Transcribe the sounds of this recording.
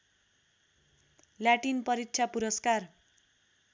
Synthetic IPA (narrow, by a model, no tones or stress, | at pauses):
ljaʈinpʌɾitt͡ʃʰapuɾʌskar